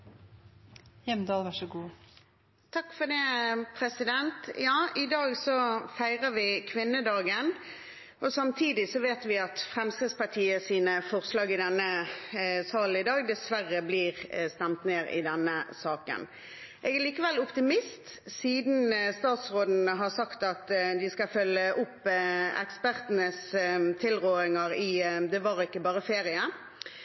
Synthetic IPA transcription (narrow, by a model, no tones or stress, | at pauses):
jɛmd̪ɑːlʋæʂɔɡuː | t̪ʰɑkːfɔd̪ɛːpʰɾɛsɪd̪ɛnt̪jɑːɪd̪ɑːɡsɔfæɪʁəʋɪkʰʋɪnːəd̪ɑːɡən | ʔɔsɑmt̪ʰiːd̪ɪsɔʋeːt̪ʋɪɑt̪fʁɛmst̪əspɑʈ̪ʰiːəsiːnəfɔʁslɑːɡɪd̪ɛnːə | sɑːl̩ɪd̪ɑːɡ̚d̪ɛsʋæʁəbliːʁst̪ɛmt̪neːɾɪ̰d̪ɛnːəsɑːkə̰n | ʔɛɡæɭiːkəʋɛlʊpt̪ɪmɪst̪ | siːd̪n̩st̪ɑːt̪sʁoːd̪n̩əɦɑʁsɑkt̪ɑt̪d̪ɪskɑfœlːəʔʊpːɛ̰kspæʁt̪ənəst̪ʰɪlʁoːɾɪŋɑɾɪd̪ɛʋɑʁɪkːəbɑːʁəfeːɾɪə